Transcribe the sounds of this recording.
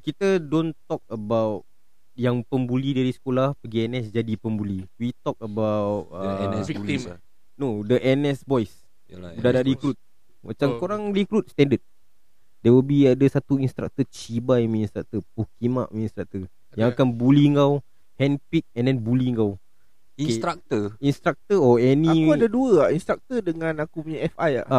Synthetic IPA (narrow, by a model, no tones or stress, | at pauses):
kit̪ədõnt̪ɔk̚əbawt̚ | jaŋpəmbulidaɾisə̥kolahpəɡiɛnɛsd͡ʒadipəmbuliwit̪ɔk̚əbawt̚ə | nodəʔɛnɛsbɔjs | budadaɾikɾut̪̚ | mat͡ʃamkoɾaŋɾikɾut̪̚st̪ɛ̃ndəd̪̚ | dɛwəlbiadəsat̪uinst̪ɾa̰k̚t̪ət͡ʃibajmĩinst̪ɾak̚t̪əpukima̰ʔminst̪ɾak̚t̪ə | jãŋakanbuliŋɡaw | hɛ̃npik̪̚ɛ̃ndɛnbuliŋɡaw | kesɾak̚t̪əinst̪ɾak̚t̪əɔɛnikdəduəainst̪ɾak̚t̪ədəŋãnakupuɲaɛfaja̰ʔa